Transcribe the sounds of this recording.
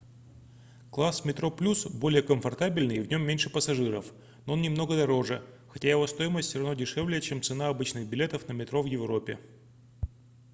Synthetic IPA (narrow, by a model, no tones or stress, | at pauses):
klˠasmʲɪt̪ɾo̞plʲusbo̞lʲɪjəkəmfɐrt̪abʲɪlʲnɨvn̞ʲmːʲenʲʂɨpəsɐʐɨɾə̰f | noonnʲɪmno̞ɡəd̪ɐɾo̞ʐɨ | xɐtʲajɪvo̞st̪o̞jɪməsʲtʲsʲɾɐvnodʲɪʂɛvlʲɪjət͡ɕemt̪sɨnaɐbɨt͡ɕnɨxbʲɪlʲet̪əfnəmʲɪt̪ɾo̞vjɪvɾo̞pʲɪ̰